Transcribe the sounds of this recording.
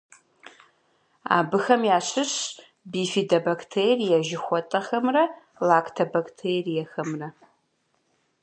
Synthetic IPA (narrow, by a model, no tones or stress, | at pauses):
a̰ːbɨxɐmjaːɕɨɕ | biːfiːdɐbɐktʰeːrijɛʒɪxʷɔtʼɐxɐmrɐ | laːkʰtʰɐbaktʰeːrijɛxɐmrɐ